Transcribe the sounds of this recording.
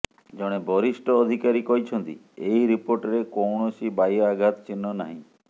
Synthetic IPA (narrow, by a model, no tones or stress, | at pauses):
d͡ʒɔɽ̃ebɔɾiʃʈɔːd̪ʱikaɾikɔɦit͡ʃʰɔnt̪ḭ | ejɾipoɾʈaɾekɔwɳɔsibajɔaɡʱat̪t͡ʃinːɔnaɦĩ